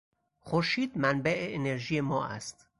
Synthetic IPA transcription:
xoɾʃiːd̪mænbæʔeʔeneɾʒiːjemɒːʔæ̰st̪

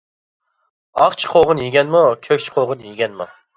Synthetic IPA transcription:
ɑχt͡ʃʰqʰoʁʊnjiɡʲɛnmukʲʰøkʲt͡ʃʰqʰoʁʊnjiɡʲɛnmṵ

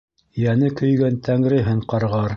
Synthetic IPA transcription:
jænɘkɵ̆jɡænt̪ʰæŋɾɘ̆ɦɘɴqɑɾʁɑɾ

